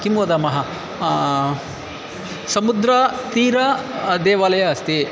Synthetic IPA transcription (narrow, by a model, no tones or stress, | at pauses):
kimod̪amɐɦɐ | sɐmud̪ɾɐt̪iːɾɐd̪eːʋaːlɐjɐɐst̪i